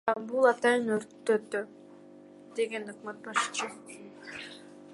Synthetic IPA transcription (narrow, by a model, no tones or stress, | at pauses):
bulˠɑt̪ɑjɯnøɾt̪ːøt̪ːy | d̪e̞ɡe̞nokmæt̪̚bɑʃt͡ʃʰɯ